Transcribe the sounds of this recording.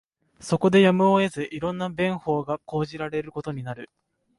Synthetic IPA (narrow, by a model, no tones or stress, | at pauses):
so̞ko̞d̪e̞jamɯ̟oe̞zɨʔiɾõ̞nːabẽ̞ɰ̃ho̞ːɡako̞ːʑiɾaɾe̞ɾɯ̟ko̞t̪o̞ɲ̟inaɾɯ̟